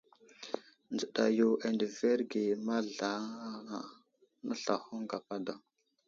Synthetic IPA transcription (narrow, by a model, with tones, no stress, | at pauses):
nd͡zə˨ɗa̰˨jo˨ʔe˨ndə˨ve˦ɾɡe˨ma˦ɮa˨˦˨ | na̰˦ɬa˨xu˦ŋɡa˨pa˦da˨